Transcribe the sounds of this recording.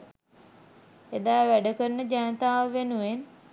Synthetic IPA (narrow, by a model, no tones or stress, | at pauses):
ed̪aːʋæɖəkəɾənəd͡ʒanət̪aːʋəʋenuʋen